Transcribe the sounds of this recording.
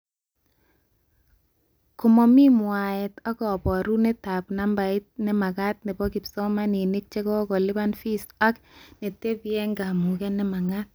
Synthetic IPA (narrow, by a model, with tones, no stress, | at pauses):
ko˨mɔ˨mi˦mwa˨ɛ˨ta˦kɔ˨pɔ˨ɾu˦ne˦ta˨pna˦mba˨i˦t̚nɛ˦ma˨ka˦t̪̚ne˨bɔ˦ki˨psɔ˦ma˦ni˨ni˦k̚t͡ʃe˦kɔ˦kɔ˨lɪ˦ba˦nfi˦sa˦kne˨te˦pijɛ˦ŋɡa˨mu˨kɛ˦nɛ˦ma˨ŋat̚